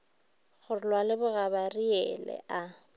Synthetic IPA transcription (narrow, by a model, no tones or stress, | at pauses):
χʊrlwalɪbʊɣabariɛlɛ̰ʔa